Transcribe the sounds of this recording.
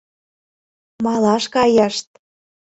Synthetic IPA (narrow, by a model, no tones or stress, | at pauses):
mɑlɑʃkɑjɑʃt̪̚